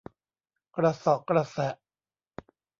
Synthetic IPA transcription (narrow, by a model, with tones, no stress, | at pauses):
kɾa˧sɔ˨˦kɾa˧sɛ˨˦ʔ